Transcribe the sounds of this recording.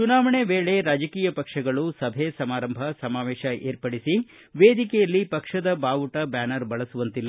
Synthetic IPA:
t͡ʃunaːʋɐɳeʋeːɭe̞ɾaːd͡ʒɐkiːjɐpɐkʂɐɡɐɭusɐbʱesɐmaːɾɐmbʱɐsɐmaːʋeːʃɐʔḛːɾpɐɽisi | ʋeːd̪ikɛjɐlːipɐkʂɐd̪ɐbaːʋuʈɐbaːnɐɾbɐɭɐsuʋɐnt̪ilːɐ

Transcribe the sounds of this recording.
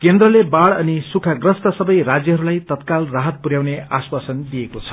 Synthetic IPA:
kend̪ɾʌlebaɽʌnisukʰaɡrʌst̪asʌbʌjrad͡zjʌɦʌɾulajt̪ʌt̪kalraɦʌt̪̚puɾjawneaswasʌnd̪ijekot͡sʰʌ̥

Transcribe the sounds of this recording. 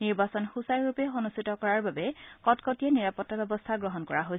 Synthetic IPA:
niɹbasɔnxusajɹupɛonustʰitɔkɔɹaɹbabɛkɔtkɔtiɛniɹapɔtːabɛbɔst̪ʰaɡɹɔɦɔnkɔɹaɦojs

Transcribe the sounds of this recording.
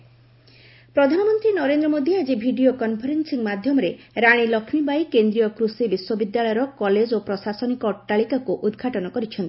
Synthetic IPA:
pɾɔd̪ʱanɔmɔnt̪ɾinɔɾend̪ɾɔmod̪ʱied͡ʒebʱiɖiokɔnpʰɔɾensiŋmad̪ʱjɔmɔɾeɾaɽ̃ilɔkʰmibajkend̪ɾijɔkɾusibiswɔbid̪ːalɔjɔɾɔkɔled͡ʒopɾɔsasɔnikɔʈaɭikakuʔud̪ɡʱaʈɔnɔkɔɾit͡ʃʰɔnt̪i

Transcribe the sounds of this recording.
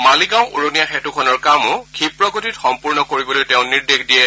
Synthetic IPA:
maliɡãʊ̃ʔo̰ɹonijaxɛtukʰɔnɔɹkamʊ̃kʰipɹɔɡotitxɔmpuɹnɔkoɹibɔlojtɛʊ̃niɹdexdijɛ

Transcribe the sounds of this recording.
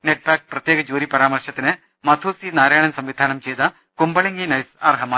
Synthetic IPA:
neʈ̚paːk̚pɾɐt̪jeːɡɐd͡ʒuːɾipɐɾaːmɐrɾʂɐt̪ːinɨ | mɐt̪ʰuːsinaːɾaːjɐɳɐnsɐmʋid̪ʱaːnɐmt͡ʃeːd̪ɐ | kumbɐɭiŋɡinɐjsɐ̰ɾɦɐmaː

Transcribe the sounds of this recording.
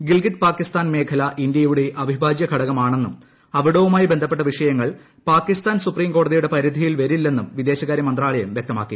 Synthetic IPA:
ɡilɡiʈ̪paːkːist̪aːnme̞ːkʰɐlɐʔind̪jɐjuɽe̞ʔɐbʱibʱaːd͡ʑjɐɡʱɐɽɐɣɐmaːɳe̞nːum | ɐʋiɽoːʋumaːjibend̪ʱɐpːe̞ʈːɐʋiʂɐjɐŋːɐɭ | paːkːist̪aːnsupriːmko̞ːɽɐðijuɽe̞pɐɾid̪ʱijilʋɐɾilːe̞nːumʋid̪e̞ːɕɐɣaːɾjɐmɐnd̪raːɭɐjɐmʋjek̚t̪ɐma̰ːkːḭ

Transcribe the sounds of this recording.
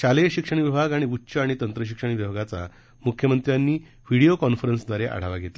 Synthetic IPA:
ɕaleɕikʂəɳ̃ʋibʱaɡaɽ̃iutːɕəaɽ̃it̪ənt̪ɾəɕ̬ikʂəɳʋibʱaɡat͡sa̰ | mukʰjəmənt̪ɾjanːiː | ʋiɽiokɔnfɾənsd̪ʋaɾeʔa̰ɽ̤aʋaɡʱet̪la

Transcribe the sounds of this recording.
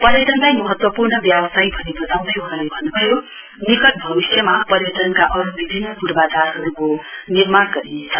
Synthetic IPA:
pʌɾjʌʈ̪ʌnlajmʌɦʌt̪wʌpurnʌbjawʌsajbʱʌnebʱʌt̪aw̃d̪ʌjɦʌɦalebʱʌnːubʱʌjo | nikʌt̪̚bʱʌbisjʌmapʌɾjʌʈ̪ʌnkaʔʌɾubibʱinːʌɡuɽbat͡saɾɦʌɾukonirmarɡʌɾinet͡sʰʌ

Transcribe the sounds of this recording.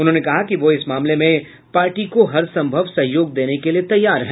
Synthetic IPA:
ʊnɦõnekɐɦakiʋoɪsmaːmlemẽ | paːɾʈikoɦɐɾsɐ̃mbʱəʋsɐɦjoːɡ̚d̪eːnekeliet̪ɐjːaːɾɦɛː

